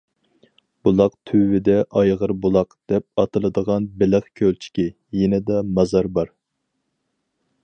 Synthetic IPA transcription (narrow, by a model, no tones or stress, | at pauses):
b̥ulˠɑqt̪ʰyːɪd̪ɛʔɑjʁəɾbulˠɑqd̪̥ɛp̚ɑt̪ʰɨlˠɨd̪əʁɑnbɪlɪχkʲʰølt͡ʃʰi̥kʲi | jenɪd̪ɛmɑzɑɾbɑɾ